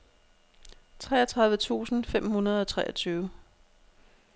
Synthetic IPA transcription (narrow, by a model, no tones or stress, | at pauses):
t͡sʰʁɛ̰ːɐt͡sʰʁɑ̈ð̞ˠʋət͡sʰṵːsn̩fem̰hunɐð̞ˠɒ̽t͡sʰʁɛ̰ːʔɐt͡sʰyːʊə